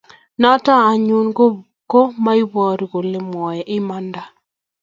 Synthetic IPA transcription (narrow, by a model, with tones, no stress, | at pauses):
na˦taː˦˨ɲu˦nɡo˦βu˨ko˦ma˦i˦βwaː˦ɾi˨ɣo˨le˨mwɔ˨jɛ˨ʔɪ˦ma˦nda˨